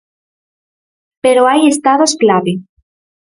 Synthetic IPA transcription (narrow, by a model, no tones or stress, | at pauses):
peɾoajest̪aðosklaβe